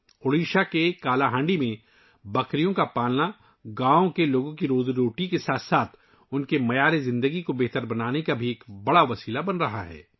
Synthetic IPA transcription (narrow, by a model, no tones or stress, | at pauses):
oːɽiːʃakekaːlaɦãːɳɖimẽ | bɐkɾijõkapaːlna | ɡãːõkeloːɡõkiɾoːzɾoːʈikesaːt̪saːt̪ʰ | ʊnkemɐjaːɾezɪ̃nd̪əɡikobeɦt̪əɾbɐnaːnekabʱieːkbɐɽaʋɐsiːlabɐnɾɐɦa̰ɦɛ̰ː